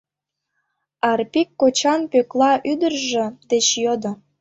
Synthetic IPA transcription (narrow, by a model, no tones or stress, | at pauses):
ɑrpikːot͡ɕɑnpøklɑʔyd̪ərʒĕd̪et͡ɕjod̪ŏ